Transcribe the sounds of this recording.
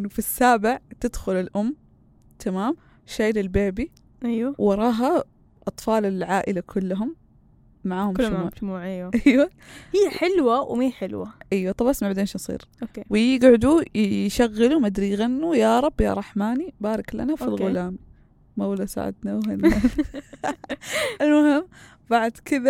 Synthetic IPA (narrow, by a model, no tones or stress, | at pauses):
ʔɪnːʊfisːaːbɪʕt̪ɪd̪xʊlɪlʔʊmː | t̪ʰamaːm | ʃeːlɪlbeːbi | ʔajwawɑɾˤɑːɦa | ʔɑt̪ˤfɑːlɪlʕaːʔɪlakʰʊlːʊɦʊmː | aʕaːhʊmʃmuːmuːʕaʔajwahɪjːaħɪlwawmiːħɪlwaʔijwat̪ˤɑbɑsmaʕbad̪eːnʃnsˤḭːɾoewjɪɡʕʊd̪uʃaɣːalumad̪ɾijɣanːujaɾˤɑbːja̰ɾˤɑħmaːnibaːɾˤɑkla̰nafilɣʊllaːmː | awlasa̰ʕɪ̰d̪naːhanː | ɪlmʊhɪmː | baʕd̪kɪða